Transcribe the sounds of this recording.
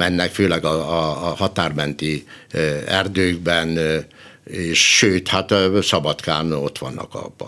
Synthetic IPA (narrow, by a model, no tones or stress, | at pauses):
ɛnːɛkføːlɛɡɒːhɒt̪aːrmɛnt̪i | ɛrd̪øːɡbɛn | eːʃʃøːt̪hat̪sɒbɒt̪kaːno̞t̪ʋɒ̰nːɒ̰kɒ̰bːɒ